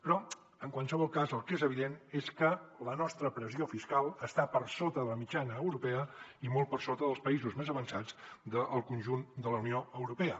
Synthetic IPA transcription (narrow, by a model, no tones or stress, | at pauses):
pɾɔ | əŋkwalˠsəβ̞ɔlˠkazəlˠkezəβ̞iðeneskələnɔst̪ɾəpɾəziofiskalˠəst̪apəɾsot̪əðələmid͡ʒanəːwɾupɛəimɔlt̚pərsot̪əðəlˠspəizuzmezəβənsad͡zd̪əʔəlˠkunʲʒund̪ələunioəwɾupɛə